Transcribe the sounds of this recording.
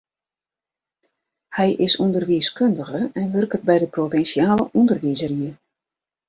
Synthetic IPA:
hɛjʔɪsundərʋiəskøndəɣəɛnʋørkət̚bɛjdəprovɪnsiaːləʔundərʋizəriə

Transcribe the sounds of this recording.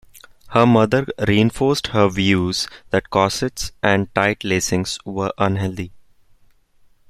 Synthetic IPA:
həɾmʌd̪əɾɾiːɪ̃nfoːɾsʈhəɾʋjuːzd̪æʈ̚kɔːsɪʈsʔæ̃ɳɖ̚ʈaɪʈleːsɪ̃ŋsʋəɾʔʌ̃nɦɛld̪i

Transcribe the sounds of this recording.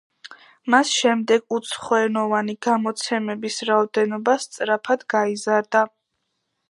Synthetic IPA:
masʃɛmd̪ɛɡ̥ut̪sʰχɔɛnɔvaniɡ̥amɔt̪sʰɛmɛbisɾaɔd̪ɛnɔbast̪sʼɾapʰad̪ɡaizaɾd̪a

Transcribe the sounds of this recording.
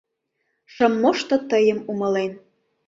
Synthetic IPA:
ʃə̆mːoʃt̪ot̪əjə̆mumɤ̆len

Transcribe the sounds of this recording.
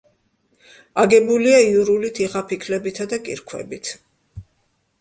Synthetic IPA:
aɡɛbuliaiuɾulit̪ʰiʁapʰikʰlɛbit̪ʰad̪akʼḭɾkʰwɛ̰bit̪ʰ

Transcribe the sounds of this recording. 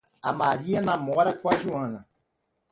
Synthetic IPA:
a̰maɾianãmɔɾakwaʒuãnã

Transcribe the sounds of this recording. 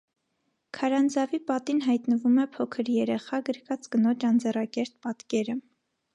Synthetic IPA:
kʰɑɾɑnd͡zɑvipɑt̪inɦɑjt̪nəvumɛpʰɔkʰəɾjɛɾɛχɑɡəɾkɑt͡sɡənɔt͡ʃɑnd͡zɛrɑkɛɾt̪̚pɑt̪kɛɾə

